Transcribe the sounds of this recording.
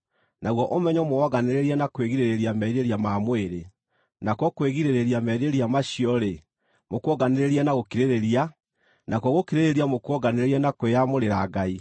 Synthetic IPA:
naɣwɔʔomɛɲɔmoɔɣaneɾeɾianakweɣiɾeɾeɾiamɛɾeɾamamweɾe | nakwɔkweɣiɾeɾeɾiamɛɾeɾiamaɕiɔɾe | mokwɔɣaneɾeɾianaɣokiɾeɾeɾia | nʔakwɔɣokiɾeɾeɾiamokɔɣaneɾeɾianakweamoɾeɾaːɡai

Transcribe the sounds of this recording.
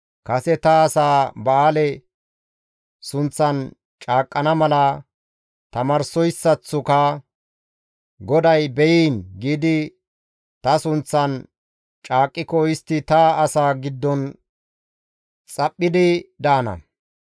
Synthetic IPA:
kɐsɛt̪ɐːsaːbaːlɛ | sʊnt͡sːɐn | t͡ʃʼaːkʼːɐnɐmɐlɐ | t̪ɐmɐɾsɔjsːɐt͡sːʊkɐ | ɡɔd̪ɐjbɛjiːnɡiːd̪ɪ | t̪ɐsʊnt͡sːɐn | t͡ʃʼaːkʼːɪkɔɪst̪ːɪt̪ɐːsaːɡɪd̪ːɔn | t͡sʼɐpʼːɪd̪ɪd̪aːnɐ̰

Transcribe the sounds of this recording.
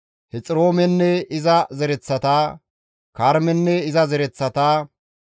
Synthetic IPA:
hɛt͡sʼɪɾoːmɛnːɛɪzɐzɛɾɛt͡sːɐt̪aː | kaɾmɛnːɛɪzɐzɛɾɛt͡sːɐt̪aː

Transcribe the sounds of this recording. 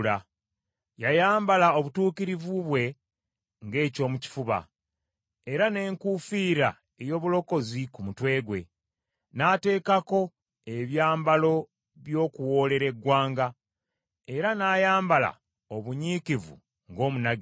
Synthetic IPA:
la | jajaːmbalao̞βutuːkiɾivuβwe̞ | ŋɡe̞ːco̞ːmuci̥fuβa̰ | e̞ɾane̞ːŋkufiːɾa | e̞jo̞ːβulo̞ko̞zikumutwe̞ːɡwe̞̰ | naːte̞ːkako̞ | e̞βjaːmbalo̞ | βjo̞ːkuwo̞ːle̞ɾe̞ɡwaːŋɡa | e̞ɾanaːjaːmbala̰ | o̞βuɲiːkivṵ | ŋɡo̞ːmunaɡ

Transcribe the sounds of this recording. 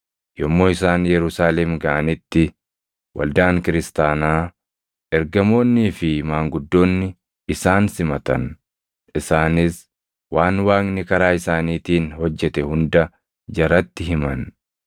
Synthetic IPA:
jɔmːo̞ːɪsaːnjɛɾʊsaːlɛmɡɐʔɐnɪt̪ːɪ | wʔɐ̰ld̪aːŋkɪɾɪst̪aːnaː | ʔɛɾɡɐmo̞ːnːiːfɪmaːŋɡʊd̪ːo̞ːnːɪː | saːnsɪmɐt̪ɐ̰n | ɪsaːnɪs | waːnwaːŋnɪkɐɾaːɪsaːniːt̪iːnhɔd͡ʒːɛt̪ɛhʊnd̪ɐ | d͡ʒɐɾɐt̪ːɪɦɪmɐn

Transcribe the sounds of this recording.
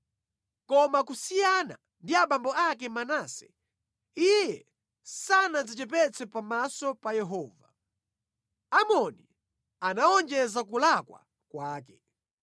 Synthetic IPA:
kɔmakusijana̰ | ndiaɓambɔakɛmanaːsɛ̥ | ijɛ | sanazit͡ʃɛp̬ɛt͡sʰɛpamasɔpajɛɦɔːva | amɔni | anaɔnd͡ʒɛzak̬ulakwa̰ | kwaːkɛ

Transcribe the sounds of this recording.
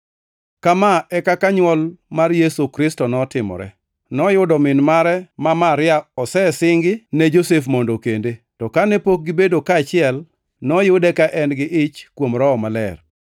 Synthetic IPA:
kamaɛkakaɲwɔlmarjesokɾɪstɔnɔtɪmɔ̰ɾɛ̰ | nɔjʊdɔmɪnmaɾɛmamaɾɪaɔsɛsɪŋɡɪnɛd͡ʒosefmondokendetɔkanɛpok̚ɡɪbedokaːt͡ʃɪɛl | nɔjʊdɛkaʔɛnɡɪʔɪt͡ʃkwomɾɔːmalɛ̰r

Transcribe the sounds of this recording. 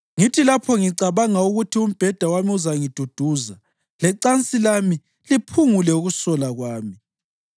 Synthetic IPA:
ŋitʰilapʰɔŋiǀaβaŋauɣutʰium̩b̥ʱɛd̥ʱawamiuzaŋid̥ʱud̥ʱuːza | lɛǀant͡sʼilami | lipʰuŋulɛuɣusɔlaɣwaːmi

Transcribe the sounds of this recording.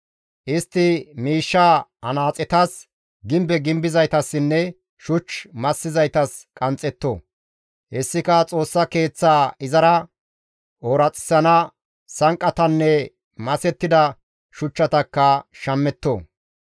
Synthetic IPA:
ʔɪst̪ːɪmiːʃːaːɐnaːt͡sʼɛt̪ɐs | ɡɪmbɛɡɪmbɪzɐjt̪ɐsːɪnːɛ | ʃʊt͡ʃmɐsːɪzɐjt̪ɐskʼɐnt͡sʼːɛt̪ːo̰ː | ʔɛsːɪkɐt͡sʼo̞ːsːɐke̞ːt͡sːaːɪzɐɾɐ | ʔoːɾɐt͡sʼːɪ̥sɐnɐ | sɐŋkʼːɐt̪ɐnːɛ | mɐsɛt̪ːɪd̪ɐ | ʃʊt͡ʃːɐt̪ɐkːɐʃɐmːɛt̪ːo̰ː

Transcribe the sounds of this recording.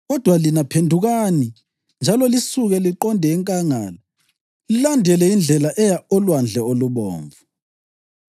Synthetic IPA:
ɣɔd̥ʱwalinapʰendʱuɣani | nd͡ʒʱalɔlisuɣɛliǃɔndʱɛːŋkʼaŋaːla | lilandʱɛlɛind͡ɮʱɛlaʔɛjaɔlwand͡ɮʱɛoluβɔ̰ːɱvu

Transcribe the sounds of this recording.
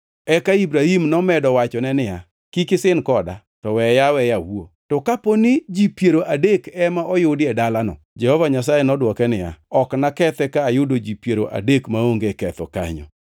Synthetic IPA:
ɛkaibɾahimnɔmɛdɔwat͡ʃɔnɛnɪja | kikɪsɪnkɔda̰ | tɔwɛjawɛjawuo | tɔkaponid͡ʒipjeɾoʔadekɛmaʔɔjʊdɪɛdalanɔ̰ | d͡ʒɛhɔvaɲas̬ajɛnɔdwɔkɛnɪja̰ɔknakɛt̪ɛkaːjʊdod͡ʒipjeɾoʔa̰dekmaoŋɡekɛt̪ɔ̰ka̰ɲɔ̰

